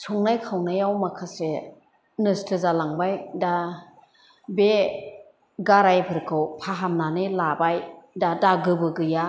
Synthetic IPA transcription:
sʰɔŋnajkʰawnɯjawmakʰase | nɯstʰɯzalaŋbajda | be | ɡaɾajpʰɯɾkʰɯwpʰaɦamnanɯlabajdadaɡɯbɯɡɯja

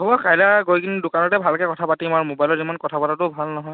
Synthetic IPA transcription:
ɔbɔkajlaɡojkinudʊkanɔtɛbʱalkɛkɔtʰapatimaɹmobajlɔzimankɔtʰapatatʊbʱalnɔɦɔj

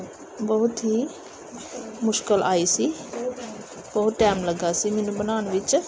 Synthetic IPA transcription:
bɐɦʊt̪ɦi | mʊʃkəlʔaːisi | bɐɦʊt̪ʈɛːmləɡasimeːnũbənaːñʋɪt͡ʃ

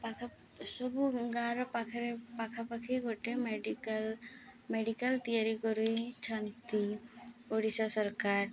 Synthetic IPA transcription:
pakʰ | sɔbuɡaɾɔpakʰɾepakʰapakʰiɡoʈemɖilmeɖikəlt̪ijaɾikɔɾuit͡ʃʰant̪ioɽisasɔɾkaɾ

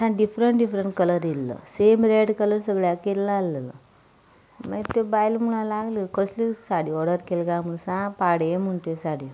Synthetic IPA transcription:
sãɖipʰɾɐɳʈɖipʰɾeɳʈkɐlɐɾilːo̰seːmɾeɖkɐlɐɾsɐɡɭakelːaːlːɐlo̰ | mãt̪ːubaːjlmunalaːɡlikoslisaɽiɔɽɐɾkelɡaːmunsãpaːɽemuɳʈ̪esaːɽi

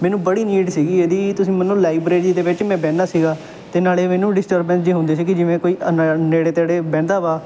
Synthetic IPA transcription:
mɛ̃ːnũːbəɽiːniːɖsiːɡiːeːd̪iːt̪ʊsĩːmənːõːlaːibɾeːɾiːd̪eːʋɪt͡ʃmɛ̃ːbɛ̃ːnd̪aːsiːɡaː | t̪eːnaːleːmɛːnũːɖɪsʈəɾbə̃nd͡ʒeːɦʊ̃ːnd̪eːsiːkɪd͡ʒɪʋẽːkoːiːənneːɽeːt̪eaːɽeːbɛ̃ːnd̪aːʋaː

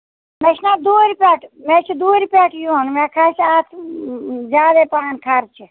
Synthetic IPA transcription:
met͡ʃʰnãːd̪uːɾʲpeːʈʰmet͡ʃʰid̪uːɾʲpeʈʰjuonmẽːkʰaːt͡ʃʰaːt̪ʰ | zaːd̪epaːnkʰaːɾt͡ʃʰi

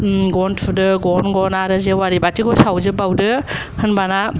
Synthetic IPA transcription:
ɡɔntʰudɯɡɔnɡɔnaɾɯzewaɾibatiɡʰɔsawzɯbawdɯ | hɯnbana

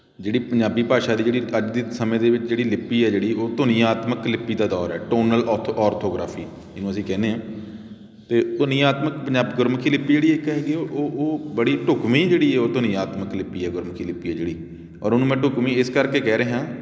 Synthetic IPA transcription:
d͡ʒeːɽiːpəɲd͡ʒaːbiːpaːʃaːd̪iːd͡ʒeːɽiːəd͡ʒd̪iːsəmẽːd̪eːʋɪt͡ʃd͡ʒeːɽiːlɪpːiːɛːd͡ʒeːɽiːoːt̪ʊnĩːaːt̪məklɪpːiːd̪aːd̪ɔːɾɛːʈoːnəlɔːɔːɾt̪ʰoːɡɾa̰ːpʰiː | ɪnũːəsĩːkɛːnẽːãː | t̪eːt̪ʊnĩːaːt̪məkpəɲd͡ʒaːbɡʊɾmkʰiːlɪpːiːd͡ʒeːɽiːɪkɦɛːɡiːʔoːoːbəɽiːʈʊkʋĩːd͡ʒeːɽiːɛːoːt̪ʊnĩːaːt̪məklɪpːiːɛːɡʊɾmkʰiːlɪpːiːɛːd͡ʒeːɽiː | ɔːɾʊnũːmɛ̃ːʈʊkmĩːɪskəɾkeːkɛːɾeːɦãː

